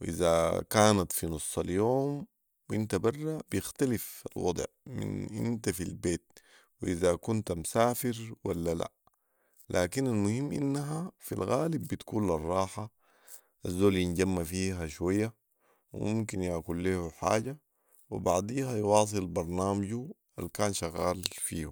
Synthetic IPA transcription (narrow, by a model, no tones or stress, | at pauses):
wʔizakaːnat̪finusˤːɑljoːm | wʔint̪abɑrˤːab̥jɪxt̪alifa̰lwɑ̰d̪ˤʕmḭnʔḭnt̪afilbeːt̪̚ | wiʔizakunt̪amsaːfɪɾwalːala̰ | laːkinalmʊhimːʔḭnːaɦafilɣaːlibːit̪kuːnlɑrˤːɑːħa | ʔazːoːljinɟamːafiːɦaʃwajːa | wḭmumkinjaʕkulːihuħa̰ːɟa | wḭbaʕd̪iːɦajwɑːs̬ˤɨlbɑɾˤnaːmaɟuʔa̰lkaːnʃaɣaːlfiːhu